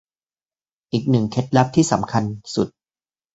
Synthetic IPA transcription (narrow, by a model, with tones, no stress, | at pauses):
ʔiː˨˩k̚nɯ˨˩ŋkʰe˦˥t̪̚la˦˥p̚t̪ʰiː˥˩sa̰˩˦mkʰa˧nsu˨˩t̪̚